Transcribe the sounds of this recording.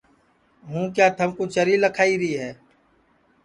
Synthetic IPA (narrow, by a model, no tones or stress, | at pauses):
ɦũːkjaːt̪ʰəmkut͡ʃəɾiləkʰaːiɾəiːɦɛː